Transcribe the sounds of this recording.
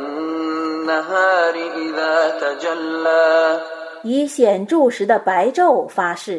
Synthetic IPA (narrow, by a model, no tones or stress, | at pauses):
nːaɦaːɾɪʔɪðaːt̪ad͡ʒalːaː | iɕjɛnʈ͡ʂuʂɻ̩d̪əpaɪʈ͡ʂoʊfaʂɻ̩